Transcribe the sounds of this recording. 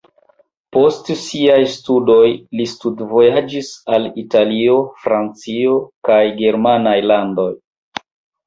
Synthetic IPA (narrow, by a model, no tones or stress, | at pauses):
po̞stsiajstudo̞jlistudvo̞jad͡ʒisalitalio̞fɾant͡sio̞kajɡe̞ɾmanajlando̞j